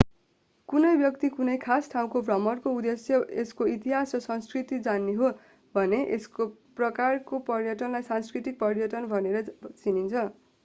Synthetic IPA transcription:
kunʌjbjʌk̚t̪ikunʌjkʰasʈʰaw̃kobrʌmʌrkoud̪esjʌeskoit̪iɦasrʌsʌnskrit̪id͡zanːeɦo | bʱʌneʔesko | prʌkarkopʌrjʌʈʌnlajsanskrit̪ik̚pʌrjʌʈʌnbʱʌneɾʌt͡sinint͡sʰʌ

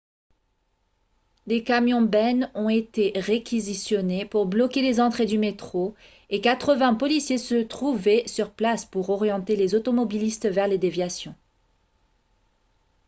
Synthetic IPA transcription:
d̪ekamjɔ̃bɛnɔ̃et̪eʁekʲizisjɔnepuʁblɔkʲelezɑ̃t̪χed̪ymet̪χo | ekat̪χəvɛ̃pɔlisjesət̪χuvɛsyʁplaspuʁɔʁjɑ̃t̪elezot̪ɔmɔbilist̪vɛʁled̪evjasjɔ̃

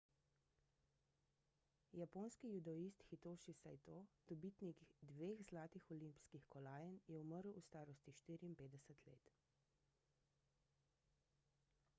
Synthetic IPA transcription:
japoːnskijud̪ɔist̪xit̪oːʃisajt̪oːd̪̥ɔbit̪niɡd̪ʋeːɣzlaːt̪ixɔlimpi̥skixkɔlaːjɛnjɛuməɾwust̪aːɾɔst̪iʃt̪iːɾiːmpeːd̪ɛsɛt̪lḛːt̪

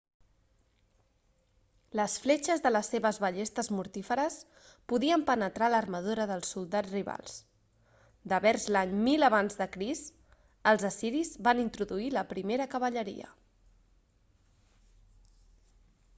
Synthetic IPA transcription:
ləsflet͡ʃəzðələsːeβəzβəʎest̪əzmuɾt̪ifəɾəs | puðiəmpənət̪ɾalərməðuɾəðəlˠsːulˠd̪ad͡zriβa̰lˠs | d̪əβɛɾzlaɲmiləβ̞anzðəkɾist̪ | əlˠzəsiɾizβanint̪ɾuðuiləpɾimeɾəkəβəʎəɾḭə̰

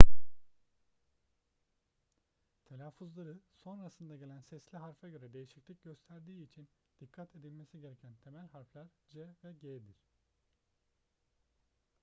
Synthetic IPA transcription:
t̪ʰelʲaːfuzlˠaɾɯso̞nɾasɯnd̪aɟe̞lʲænsɛslʲiɦaɾfaɟø̞ɾɛd̪e̞jiʃiclʲic̚ɟø̞st̪ʰæɾd̪iːit͡ʃʰin | d̪̥ikʰːat̪ʰe̞d̪ilʲmesiɟe̞ɾecʰænt̪ʰe̞mælʲhaɾflʲˠaɾd͡ʒɛvɛɟed̪iɾ̥

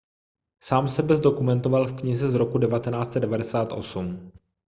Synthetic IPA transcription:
saːmsɛbɛzdo̞kumɛnt̪o̞valfkɲɪzɛzɾo̞kudɛvat̪ɛnaːt͡st͡sɛdɛvadɛsaːt̪ʔo̞̰sum

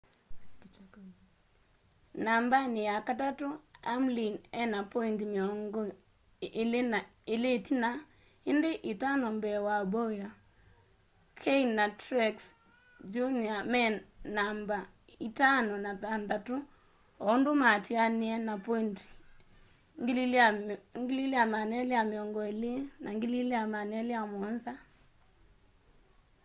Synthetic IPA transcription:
nambanɪjakatatʊa̰mlinɛnapɔintmiɔŋɡo | lɪnaɪletina | ɪndɪʔɪtanɔmbɛwabɔja | kʰeinatɾɛks | d͡ʒuniamɛnnamba | itanɔnatandatu | ɔndomatianiɛnapɔinti̥ | ŋ | ŋɡililejamanɛlejameɔŋɡɔelenʔaŋɡilileamanɛlejamwɔnza

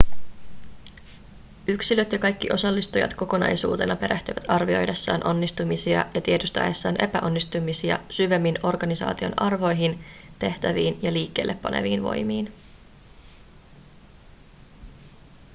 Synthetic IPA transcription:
yksilø̞t̪jɑkɑjkːiʔo̞sɑlːist̪ujɑ̰t̪ko̞ko̞nɑ̰jsṵːt̪e̞nɑpe̞ɾʔæht̪yʋæt̪ɑrʋio̞̰jdesːɑːnʔo̞nːist̪umisiɑ̰jɑt̪iet̪yst̪æ̰ːesːæːnʔe̞pæʔo̞nːist̪umisiɑ̰syʋe̞mːino̞rɡɑnisɑ̰ːt̪io̞̰nʔɑrʋo̞jɦint̪e̞ht̪æʋiːnjɑliːkːe̞ːlːe̞pːɑ̰nḛʋiːnʋo̞̰jmiːn

